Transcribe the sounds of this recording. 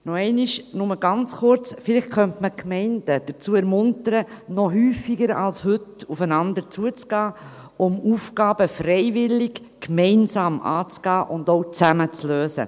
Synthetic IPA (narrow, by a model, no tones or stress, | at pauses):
nɔɛɪniʃnʊməɡ̥ɑnt͡sχʊɾt͡sfɪlɪχtχœntməkʰmɛɪnd̥əd̥əɾt͡suːəɛɾmʊntəɾənɔɦyːfiɡəɾɑ̰lshʏtufənɑnd̪əɾt͡suət͡sɡ̥ɑː | ʊmuːfɡɑːb̥əfrɛɪvɪlɪk | kmɛɪnsɑːmɑ̰ːt͡sɡ̥ɑːʔʊndoʊt͡sæmət͡sløːsə̰